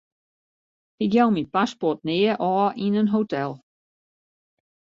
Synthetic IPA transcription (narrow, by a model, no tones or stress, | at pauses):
hijɛwmitpaspɔt̚nɪəʔɔːʔinənɦoːtʰɛlˠ